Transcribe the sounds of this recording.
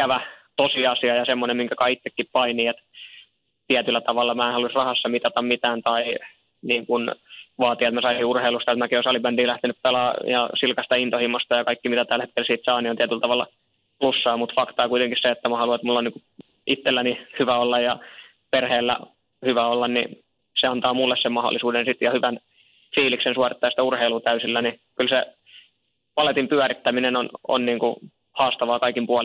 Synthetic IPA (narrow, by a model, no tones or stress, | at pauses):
kæʋæt̪osiɑsiɑjɑsemːonemiŋkækɑit̪ːekːippɑiniːet̪ | t̪iæt̪ylːˑæt̪ɑʋɑlːɑmæːenhɑluisrɑhɑsːɑmit̪ɑt̪ɑmmit̪æːnt̪ɑi | niːŋkunʋɑːt̪iet̪mæsɑisiurheilust̪ɑet̪mækiosɑlibænt̪iːlæht̪enyppelɑːjɑ̰silkɑst̪ɑint̪ohimːost̪ɑjɑkɑikːimit̪æt̪ælhet̪kelsiːt̪sɑːniont̪iæt̪ylt̪ɑʋɑl | plusːɑːmut̪fɑkt̪ɑːkuit̪eŋkisseet̪ːæmɑhɑluet̪mulːoniːŋku | it̪ːelːænihyʋæolːɑjjɑ | perheːlːæ̰ | hyʋæolːɑnnḭ | seɑnt̪ɑːmulːessemmɑho̰lːˑisuːdensit̪jɑhyʋæn | fiːliksensuɑrit̪ːɑːjɑst̪æurheilut̪æysilːænikylse | pɑlet̪impyæɾit̪ːæminenono̰nniːŋku | hɑːst̪ɑʋɑːkɑikimpuɑl